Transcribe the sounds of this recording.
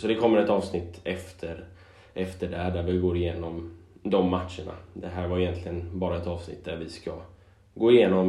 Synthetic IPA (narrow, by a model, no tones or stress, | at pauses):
sɔd̪ɛkʰɔmːəɾɛt̪ɑːvsnɪt̪ːɛft̪ʰəɾ | ʔɛft̪əɖææɖæɾvɪɡoːɾɪjeːnɔmd̪ɔmːat̪ʂəɳa̰d̪ɛɦæːɾvaɾɪjɛnt̪ʰlɪɡənbɑːɾaɛt̪ɑːvsnɪ̰t̪̚ːd̪æɾvɪska | ɡoːɪjeːnɔm